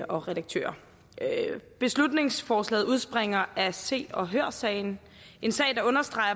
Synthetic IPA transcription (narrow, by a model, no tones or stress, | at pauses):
ɒ̽ʁɛɾɑ̈ɡ̥̚t͡sʰø̰ːɐ | b̥e̝slud̥ne̝ŋsfɒːslɛ̰ːð̩ˠuð̞ˠsb̥ʁeŋ̰ɐʔæse̝̰ːɒ̽ɦøːɐsɛ̰ɪn̩ | e̝nsɛ̰ɪd̥ɑ̈ɔ̽nɐsd̥ʁɑ̈ɪɐ